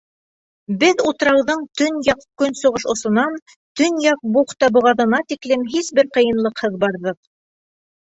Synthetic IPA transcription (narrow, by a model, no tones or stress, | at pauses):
bɘðut̪ɾɑwðɤɴt̪ɵnjɑqkɵnsŏʁɤʃŏsŏnɑn | t̪ɵnjɑq̚buχt̪ɑbŏʁɑðɤ̆nɑt̪iklɘmɦisbɘɾqɤ̆jɤ̆nlˠɤqhɤðbɑɾðɤq̚